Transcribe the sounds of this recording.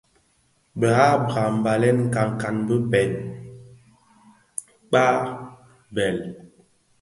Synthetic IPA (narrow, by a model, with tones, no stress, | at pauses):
bə˨ha˦ba˨m̩˨ba˨lɛ˦nŋ̩˨ka˨ŋ˨ka˨nbə˦pɛ˨t̚ | k͡pa˦ | bɛ˨l